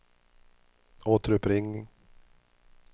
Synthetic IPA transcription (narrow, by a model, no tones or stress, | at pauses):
oːt̪əɾɵpɾɪŋːɪŋ